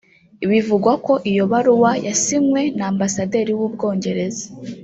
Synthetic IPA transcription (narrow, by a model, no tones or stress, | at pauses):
iβivuɡwako̞ʔijo̞βaɾuwajasimŋwe̞naːmbasade̞ɾiwuːbɡo̞ːɲɟe̞ɾe̞zḁ